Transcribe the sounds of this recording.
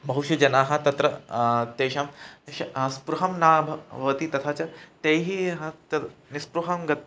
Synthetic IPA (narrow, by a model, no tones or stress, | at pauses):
bɐɦuʃud͡ʒɐnaːɦɐ̆t̪ɐt̪ɾɐt̪eːʃaːmʃɐɐspɾuɦɐmnaːbʱɐʋɐt̪it̪ɐt̪ʰaːt͡ʃɐt̪ejɦiɦɐt̪ɐnispɾuɦɐmɡɐt̪